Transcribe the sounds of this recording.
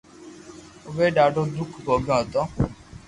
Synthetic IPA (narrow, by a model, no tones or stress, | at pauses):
ʋeɖaɖɔ̃d̪ukʰbɔɡãt̪ɔ̃